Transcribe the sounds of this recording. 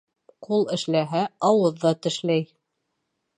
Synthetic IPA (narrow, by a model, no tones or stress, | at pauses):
qulˠɘ̆ʃlæɦæɑwɤðːɑt̪ɘ̆ʃlæj